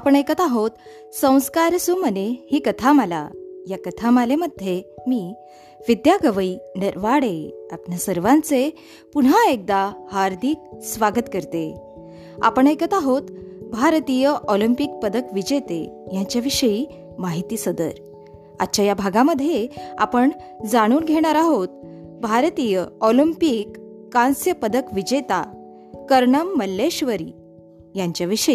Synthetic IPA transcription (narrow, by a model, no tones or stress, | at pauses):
apəɳekət̪aɦot̪ | sə̃w̃skaɾsumənehiːkət̪ʰaməla̰jakət̪ʰaməleməd̪ʱjemiː | ʋid̪jaɡəʋəiːnəɾʋaɽeapnjasəɾʋãnt͡se | puɳɦaek̚d̪ahaɾd̪ʱik̚sʋaɡət̪kəɾt̪e | a̰pəɳekət̪aɦot̪bʱaɾt̪ijəʔɔlimpik̚pəd̪əkʋid͡ʑet̪ejãɲt͡ɕjaʋiʂəiː | maɦit̪iːsəd̪ə̰ɾ | a̰t̪ːɕajabʱaɡãməd̪ʱːjea̰pəɳ | d͡zaɽ̃uːnɡʱeɽ̃aɾaɦot̪ | bʱaɾt̪ijəɔlimpikːãnsjəpəd̪əkʋid͡ʑet̪a | kəɾɳəmːəlːeɕʋəɾḭː | jaɲt͡ɕjaʋiʂəi